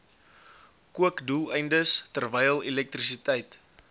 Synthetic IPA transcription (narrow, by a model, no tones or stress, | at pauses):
kuəkdulˠəjndəstərvɛjəlˠilɛk̚trisitɛjt